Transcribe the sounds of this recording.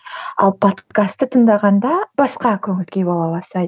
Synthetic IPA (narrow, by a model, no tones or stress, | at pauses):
ɑ̰lˠpʰo̞t̪kast̪ːət̪ʰəɴd̪ɑʁɑnd̪ɑb̥ɑsqɑkʲʰɵŋɪlkʲe̞bo̞lˠɑbɑst̪ɑj